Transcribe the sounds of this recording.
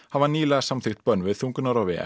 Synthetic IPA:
havaniːlaḁsamθɪxt̪̚pœnvɪðθuŋkʏnaɾawvɛɛ̰

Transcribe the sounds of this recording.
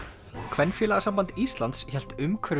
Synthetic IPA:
kʰvɛnːfjɛːlaɣasampant̪ist̪lant̪sçɛl̥t̪ʏmkʰɾʏ

